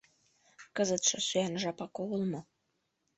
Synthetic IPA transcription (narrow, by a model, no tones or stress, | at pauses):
kəzət̪ʃɤ̆syænʒɑpɑkoulmŏ